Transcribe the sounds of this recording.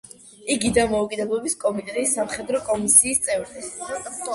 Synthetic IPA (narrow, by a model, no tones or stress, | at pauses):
iɡid̪amɔukʼid̪ɛblˠɔbiskʼɔmit̪ʼɛt̪ʼisːamχɛd̪ɾɔkʼɔmisiːst̪sʼɛvɾd̪i